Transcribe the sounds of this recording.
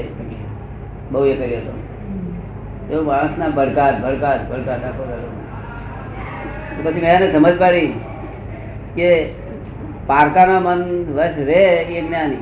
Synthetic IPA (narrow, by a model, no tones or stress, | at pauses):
bəɦuekəɾjoɦət̪o̰ | t̪eobaɽ̃ə̃snabəɽkaɾbʱəɽkaɾbəɽkaɾʈakʰoɾalo | t̪opət͡ʃʰimɛ̃anesəməd͡ʒʱpaɾi | ke | paɾkanamənʋəsɾeeɡnjani